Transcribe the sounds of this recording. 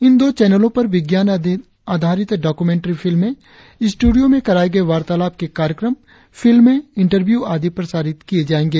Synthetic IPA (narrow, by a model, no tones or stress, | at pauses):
ɪnd̪oːt͡ʃɛːnəlõpɐɾʋɪɡjaːn | aːd̪ʱaːɾɪt̪ɖaːkumẽːɳʈɾifʰɪlmːẽ | sʈuːɖijomẽkɐɾaːeɡɐeʋaːɾt̪aːlaːb̚kekaːɾjəkɾəm | fʰɪlmːẽɪ̃ɳʈəɾʋjuːaːd̪ipɾɐsaːɾɪt̪kijed͡ʒaːẽːŋɡeː